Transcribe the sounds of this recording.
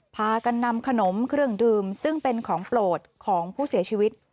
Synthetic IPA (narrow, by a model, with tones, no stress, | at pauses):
pʰaː˧ka˧nːa˧mkʰa˧no˩˦mkʰɾɯ˥˩əŋdɯː˧msɯ˥˩ŋpe˧nkʰɔː˩˦ŋploː˨˩t̪̚kʰɔː˩˦ŋpʰuː˥˩si˨˩˦ɐt͡ɕʰiː˧wi˦˥t̪̚